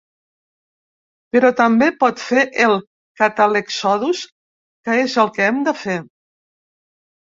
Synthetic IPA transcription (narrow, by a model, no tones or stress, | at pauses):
pəɾɔt̪əmbepɔt̪feʔelˠ | kat̪aleksɔðus | kəezəlˠkəɛmd̪əfe